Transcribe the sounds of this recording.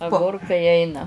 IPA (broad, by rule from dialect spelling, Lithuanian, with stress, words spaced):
ɐˈɡʊrkɐɪ ˈɛɪnɐ